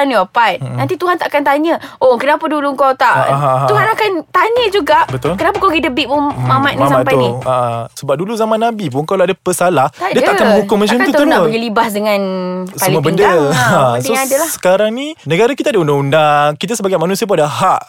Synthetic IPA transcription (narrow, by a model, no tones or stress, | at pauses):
t̪aniəpat̪̚nãnt̪it̪uɦant̪aʔakant̪aɲəʔokənapəduluəŋkawt̪aʔɦat̪uɦanakant̪aɲəd͡ʒuɡaʔbət̪ʊlkənapakaɡidəbiʔmumamat̪̚nisapajniaʔasəbap̚duluzamãnːãbipuŋkawlaadapəsalahdiətaʔakanbukʊŋmat͡ʃəmtt̪ut̪ubəɡəlibasdəŋãnsəmlubəndəasoadəlahsə̥kaɾaŋninə̃ɡaɾakit̪adaundaundakit̪̬asəbaɡajmanũsiap̬uŋadaɦaʔ